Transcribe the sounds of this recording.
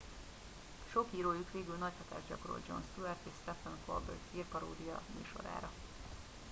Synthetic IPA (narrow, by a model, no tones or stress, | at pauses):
ʃo̞kiːɾoːjukʋeːɡylnɒchɒt̪a̰ːʒɟɒkoɾo̰ld͡ʒo̞̰nst̪uɛrt̪eʃst̪ɛfɛnko̰rbøt̪iːrpɒɾo̰ːd̪ijɒmy̰ːʃo̞̰ɾa̰ːɾɒ